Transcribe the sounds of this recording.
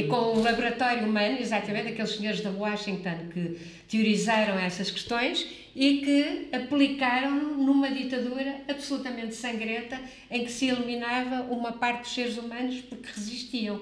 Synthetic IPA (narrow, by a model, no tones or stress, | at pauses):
kõulˠɐβuɾɐt̪ɔɾjuumɐnuizat̪ɐmẽt̪ɐkelˠʃsɨɲoɾʒðɐwɔʃĩŋt̪õnkɨ | t̪juɾizaɾɐ̃w̃ɛsɐʃkɨ̥ʃt̪õj̃ʃ | ikɨɐplˠikaɾɐ̃w̃lnumɐðit̪ɐðuɾɐɐβsulˠut̪ɐmẽnt̪sɐ̃ŋɡɾẽnt̪ɐ | ẽj̃kɨ̥silˠiminavɐʔumɐpaɾt̪̚d̪u̥ʃseɾzumɐnuʃpuɾkʁɨziʃt̪iɐ̃w̃